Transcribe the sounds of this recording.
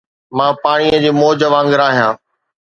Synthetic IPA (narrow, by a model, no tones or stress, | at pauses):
mãːpaːɽ̃iəd͡ʑiːmoːd͡ʑəʋãːŋɡɪɾaːɦijãː